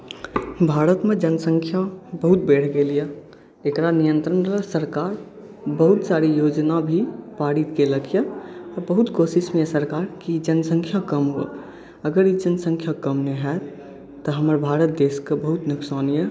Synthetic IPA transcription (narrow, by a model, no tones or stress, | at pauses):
bʱaːɾət̪med͡ʒənəsə̃ŋkʰjabəɦut̪̚beːʈʰɡelijə | ekɾanijə̃nt̪ɾənəsəɾkaːɾ | bəɦut̪saɾijod͡ʒnabʱipaɽit̪keləɡjəɔːɾbəɦut̪kosismẽesəɾkaːɾkid͡ʒənsə̃ŋkʰjakəmɦo̰ | əɡəɾid͡ʒənsə̃ŋkʰjakəmneɦɛ | t̪ɔɦəməɾbʱaːɾət̪̚d̪eskebəɦut̪nʊksaːnijə